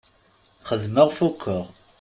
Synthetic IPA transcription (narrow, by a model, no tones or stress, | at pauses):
χəðməʁfukʰːəʁ